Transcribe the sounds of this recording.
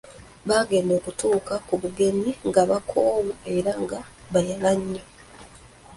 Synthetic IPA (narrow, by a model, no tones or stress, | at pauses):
βaːɡe̞ːndoːkutuːkakuβuɡe̞miŋɡaβakʰoːβue̞ɾaŋɡaβajalaɲːe